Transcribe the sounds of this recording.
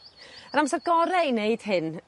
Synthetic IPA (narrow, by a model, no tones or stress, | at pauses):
ənamsɛrɡɔɾɛineɨd̥hɪn